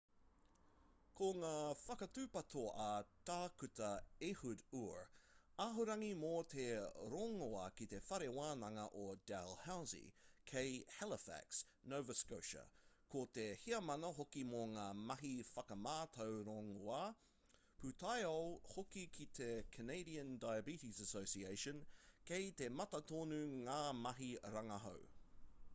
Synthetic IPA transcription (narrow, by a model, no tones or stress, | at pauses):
kʰoŋaːfɐkɐtʉːpɐt̪ʰoʔɐt̪aːkʉt̪ɐehuduɹaɦuɾɐŋimoːt̪ʰeɾoːŋoɐkit̪efɐɾewaːnɐŋɐ̰ʔod̥ɛlhawzḭkʰejhɛləfæ̰ks | nowvəskoʊʃɐ̰kʰot̪ehiɐmɐnɐɦokimoːŋaːmɐɦifɐkɐmaːt̪ʰowɾɔŋoa | pʰʉt̪ʰajolhokikʰit̪ʰekʰəneɪɾiə̃ndajəbitisəsoʊsieɪʃə̃nkʰeɪt̪emɐtɐt̪ʰoːnʉŋaːmɐɦiɾɐŋɐɦo̰w